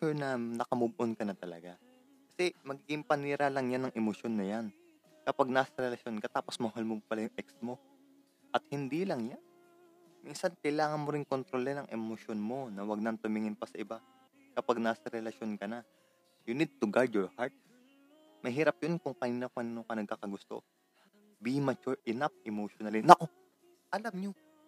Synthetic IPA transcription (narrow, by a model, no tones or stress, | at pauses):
t͡ʃɛɹnɐnɐkɐmubʊʔonkɐnɐt̪ɐlɐ̰ɡa | kɐ̥sɛmɐɡiːɡɪŋpɐniːɾalɐŋjanːɐŋʔɛmoʃjonːɐjan | kɐpaɡ̚naːsɐɾɛlɐʃo̞nkɐt̪aːpo̞smɐɦalmopɐlajʊŋʔɛk̚smo̞ | ʔɐt̪̚hɪnd̪ilɐŋjan | minsɐnkɐjlaːŋɐnmoɾɪŋkont̪ɾo̞lɛnɐŋʔɛmoʃjo̞nmo̞nɐwɐɡ̚nɐnt̪ʊmɪŋɪnpɐsɐʔɪba | kɐpaɡ̚naːsɐɾɛlɐʃjo̞nkɐna | jʊnid̪̚t̪ʊɡaɹd̪joɹhaɹt̪̚ | mɐɦiːɾɐp̚jonkʊŋkɐniːnɐkɐniːnokɐnɐɡ̚kakɐɡʊst̪o̞̰ | bimɐt͡ʃuɹʔɪnapʔɛmoːʃonɐlinɐʔo | ʔɐlamɲo